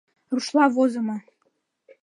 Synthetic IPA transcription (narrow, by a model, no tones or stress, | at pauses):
ruʃlˠɑβozɤ̆mɤ̆